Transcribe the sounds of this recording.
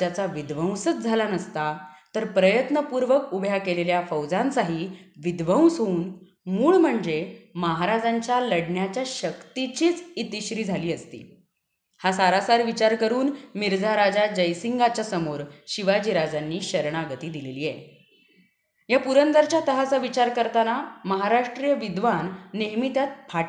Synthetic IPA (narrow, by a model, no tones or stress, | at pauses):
tjat͡saʋid̪ʋə̃w̃sət͡sd͡zʱalanəst̪at̪əɾpɾəjət̪nəpuɾʋəkubʱjakeleljafəwd͡zant͡saɦiːʋid̪ʋə̃w̃sɦouːn | muːɭm̤əɳd͡zeməɦaɾad͡zaɲt͡ɕjaləɽɳjat͡ɕjaɕəkt̪it͡ɕiːt͡sit̪iɕɾiːd͡zʱaliːəst̪ḭː | hasaɾasaɾʋit͡ɕaɾkəɾuːnmiɾd͡zʱaɾad͡zad͡ʑəjsiŋɡat͡ɕasəmoɾɕiʋad͡ʑiːɾad͡zanːiːɕəɾɳ̃aɡət̪iːd̪ileliːjḛ | japuɾənd̪əɾt͡ɕjat̪əɦasaʋit͡ɕaɾkəɾt̪anaməɦaɾaʂʈɾijəʋid̪ʋanːeɦmit̪jat̪̚pʰa